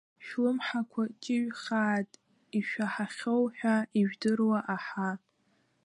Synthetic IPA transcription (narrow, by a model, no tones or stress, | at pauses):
ʃlɨmħakʷʰat͡ʃʼɪɥχaːtʼ | iʃᶣaħaχʲowħᶣaiʒdɨrwaʔaħa